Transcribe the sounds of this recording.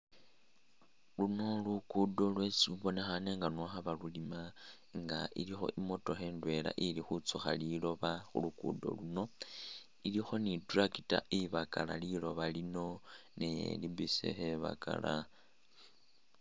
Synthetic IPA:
luno̞lukudo̞lwe̞siuβo̞ne̞xane̞ŋɡanwaxaβalulima | ŋɡaʔilixo̞̰ʔimo̞to̞xeːndwe̞la̰ʔilixut͡suxa̰lilo̞βaxṵlukṵdo̞̰luno̞ | ilixo̞nidurakitaʔiβaka̰lalilo̞βalino̞nḛlibisḛxeβa̰ka̰la

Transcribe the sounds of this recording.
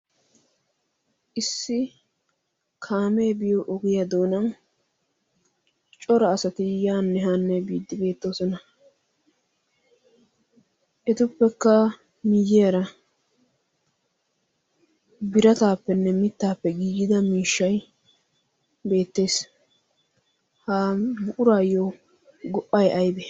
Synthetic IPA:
ʔɪsːɪ | kʰaːmeːbɪjoʔɔɡɪjɐd̪o̞ːnɐn | t͡ʃʼɔɾɐːsɐt̪ɪjaːnːɛɦanːɛbiːd̪ːɪbe̞ːt̪ːo̞ːsɔnɐ | ʔɛt̪ʊpːɛkːɐ | mɪjːɪjɐɾɐ | bɪɾɐt̪aːpːɛnːɛmɪt̪ːaːpːɛɡiːɡɪd̪ɐmiːʃːɐj | be̞ːt̪ːe̞ːs | haːmʊʔʊɾaːjːɔ | ɡɔʔːɐjʔɐjd̪ɛ

